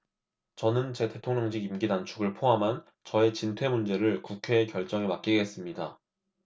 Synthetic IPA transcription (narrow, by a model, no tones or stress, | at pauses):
t͡ɕʌnɯnt͡ɕe̞tʰe̞tʰoŋɲʌŋɕʰiɡimɡidant͡ɕʰuɡɯɭpʰoɦamɦan | t͡ɕʌe̞t͡ɕintʰwe̞mund͡ʑe̞ɾɯɭkukʰe̞ːkjʌɭt͡ɕ͈ʌŋemak̚k͈iɡe̞s͈ɯmɲida